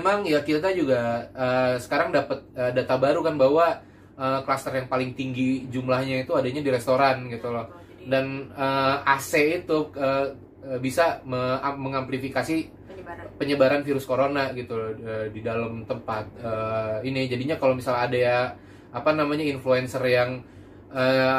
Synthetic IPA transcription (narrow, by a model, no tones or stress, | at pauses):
maŋjakit̪ad͡ʒuɡaəːsə̥kaɾaŋdapət̪̚əːdat̪abaɾukanbaɦwa | əklast̪ərjaŋpalɪŋt̪iŋɡid͡ʒumlahɲait̪uadaɲadiɾest̪oɾanɡit̪ulɔ | danəaseit̪uə | əbisaməaməŋamplifikasi | pəɲəbaɾanfiɾʊskoɾonaɡit̪uədidaləmt̪əmpat̪̚əːinid͡ʒadiɲakalowmisaladajaː | panamaɲainfluɛnsərjaŋ | əː